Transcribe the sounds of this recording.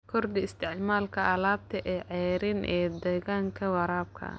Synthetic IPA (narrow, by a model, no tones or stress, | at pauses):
kʰɔrd̪ɪɪst̪ʰɪʕmaːlkʰɐʔɐlaːb̚t̪ʰɐʔɛːʕɛːɾɪnʔɛːd̪ɛɣaːŋkʰɐwɑɾaːb̚kʰɐ̰